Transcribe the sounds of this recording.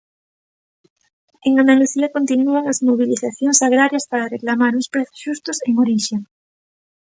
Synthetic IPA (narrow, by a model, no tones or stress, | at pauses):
eŋand̪aluθiɐkont̪inuaŋazmoβiliθaθjoŋsaɣɾaɾjɐspaɾareklamaɾuspɾeθʊ̥sʃust̪ʊseŋoɾiʃeŋ